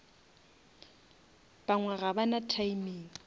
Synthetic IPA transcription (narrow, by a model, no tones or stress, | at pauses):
b̥aŋwaɣabanatʰaimiːŋ